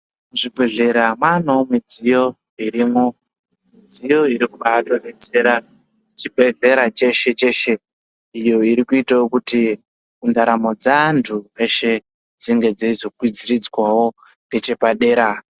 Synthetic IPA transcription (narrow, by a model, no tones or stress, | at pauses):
muʐibʱe̞ɮe̞ɾamanomid͡zijo̞ | iɾiːmo̞ | mid͡zijo̞iɾikuɓatoɗet͡se̞ɾa | t͡ʃibʱe̞ɮe̞ɾat͡ʃe̞ʃe̞t͡ʃe̞ʃe̞ | ijo̞iɾikuitaokuti | kundaɾamo̞d͡zantʰueʃe̞ | d͡ziŋɡe̞d͡zaizo̞kwid͡zirid͡zwawo̞ | ŋɡe̞t͡ʃe̞paɗe̞ːɾa